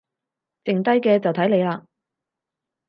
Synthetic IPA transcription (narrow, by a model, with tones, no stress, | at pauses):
t͡sɪ˨ŋt̪ɐ˥jkɛː˧t͡sɐ˨wt̪ʰɐ˨˥jle˨˧jlaː˧